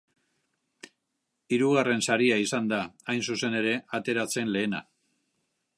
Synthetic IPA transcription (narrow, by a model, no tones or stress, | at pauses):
iɾuɣare̞nsaɾiaisand̪aːjnsuse̞ne̞ɾe̞at̪e̞ɾat͡se̞nle̞ːna̰